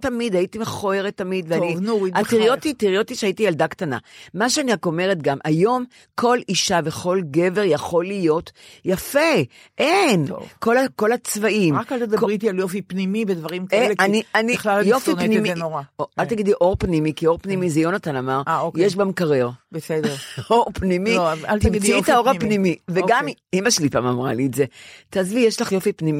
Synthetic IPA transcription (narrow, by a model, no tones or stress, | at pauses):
t̪amid̪aitimeχoeʁet̪ːamid̪veannivnuat̪iʁjot̪it̪iʁjot̪iʃeait̪ijald̪akt̪ana̰maʃeaniako̞me̞ʁet̪ɡamʔajo̞m | kʰo̞liʃaveχo̞lɡe̞ve̞ʁjaχo̞lijo̞tjafe | ʔeno̰vko̞lako̞lat͡svaʔimakkalt̪ed̪abkʁit̪ialjofipnimibed̪vɐʁimkeanianiχlaljofinpniminoʁaalt̪aɡid̪liʔo̞ʁpnimikio̞ʁpnimizejonat̪anamaʁaokjeʃbamkaʁeʁbesed̪oʁpnimialt̪imit͡siftaoʁhapnimiveɡamimaʃlipa̰mamʁalietze̞t̪aːzvijeʃlaχjo̞fipnimi